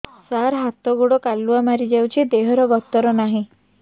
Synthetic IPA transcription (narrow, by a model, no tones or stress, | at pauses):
saɾɦat̪ɔɡuɽɔkalːuamaɾid͡ʒawt͡ʃʰid̪eɦɔɾɔɡɔt̪ːɔɾɔnaɦĩ